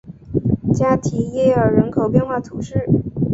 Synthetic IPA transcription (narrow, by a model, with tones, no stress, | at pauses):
t͡ɕja˥t̪ʰi˧˥jɛ˥ə˞˨˩ɻə˧˥nkʰo˨˩ʊpjɛ˥˧nxwa˥˩t̪ʰu˧˩˦ʂɻ̩˥˩